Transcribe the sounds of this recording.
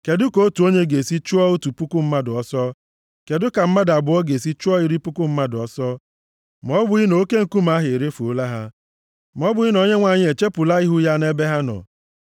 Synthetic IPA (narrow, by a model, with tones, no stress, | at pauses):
ke˨dʊ˦ko˦o˦tu˨o˦ɲe˦ɡe˨si˦t͡ʃu˦ɔ˦o˦tu˨pʊ˦kʊ˦m̩˦ma˦dʊ˨ɔ˦sɔ˦ | ke˨dʊ˦ka˨m̩˦ma˦da˨bʊ˨ɔ˦ɡe˨si˦t͡ʃu˦ɔ˦i˨ɾi˦pʊ˦kʊ˦m̩˦ma˦dʊ˨ɔ˨sɔ˦ | m˨ɔ˦bʊ˨i˦no˨o˦ke˦ŋ̩˨ku˦m˨a˦ɦɪ˨ɾe˦fo˦la˦ɦa˦ | m˨ɔ˦bʊ˨i˦no˨ɲe˦ŋʷa˨ɲɪ˦e˨t͡ʃe˦pʊ˨la˦i˦ɦʊ˦ja˦ne˦be˦ɦa˦nɔ̰˨